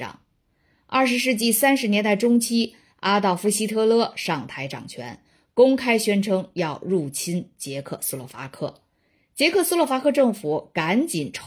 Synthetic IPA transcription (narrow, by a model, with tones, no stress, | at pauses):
ɑ̰˨˩˦ŋ | ɐ˞˥˩ʂ̬ɻ̩˧˥ʂ̬ɻ̩˥˧t͡ɕi˥˩sa˥nʂɻ̩˧˥njɛ˧˥nt̪a˥˩ɪʈ͡ʂʊ˥ŋt͡ɕʰi˥ | a˥t̪ɑ˥˩ʊfu˧˥˩ɕi˥t̪ʰɤ˥˧lɤ˥˩ʂɑ˥˩ŋt̪ʰa˧˥ɪʈ͡ʂɑ̰˨˩ŋt͡ɕʰɥɛ̰˧˥n | kʊ˥ŋkʰa˥ɪɕɥɛ˥nʈ͡ʂʰɤ˥ŋjɑ˥˧ʊɻu˥˩t͡ɕʰi˥nt͡ɕjɛ˧˥kʰɤ̰˥˩su˥lɔ˥˩fa̰˧˥kʰɤ̰˥˩ | t͡ɕjɛ˧˥kʰɤ˥˩su˥lɔ˥˩fa˧˥kʰɤ˥˧ʈ͡ʂɤ˥˩ŋfu˨˩˦ka˧˥nt͡ɕi˨˩nʈ͡ʂʰ